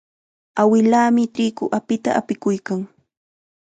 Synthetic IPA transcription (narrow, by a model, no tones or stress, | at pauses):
awɪlaːmɪtɪkʊʔapɪt̪a̰apɪkʊjkaŋ